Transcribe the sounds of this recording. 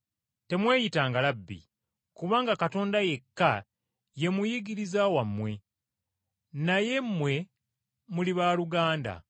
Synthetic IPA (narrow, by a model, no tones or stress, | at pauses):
te̞mwe̞ːjitaːŋɡalabːḭ | kuβaːŋɡakato̞ːndaje̞kːa | je̞mujiɡiɾizawamːwe̞ | naje̞mːwe̞ | muliβaːluɡaːnda̰